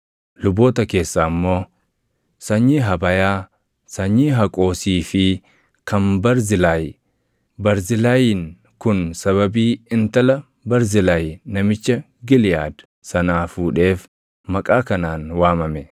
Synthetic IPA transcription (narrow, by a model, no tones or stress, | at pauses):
lʊbo̞ːt̪ɐke̞ːsːaːmːo̞ː | sɐɲːiːɦɐbɐjaː | sɐɲːiːɦɐkʼo̞ːsiːfɪ | kʰɐnbɐɾzɪlaːj | bɐɾzɪlaːjiːn | kʊnsɐβɐbiːɪnt̪ɐlɐ | bɐɾzɪlaːjnɐmɪt͡ʃːɐ | ɡɪlɪja̰ːd̪ | sɐnaːfuːᶑe̞ːf | mɐkʼaːkɐnaːnwaːmɐmɛ